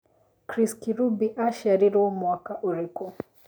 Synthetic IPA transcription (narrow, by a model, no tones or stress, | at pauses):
kɾiskiɾubiʔaʃaɾiɾɔmwakaʔuɾikɔ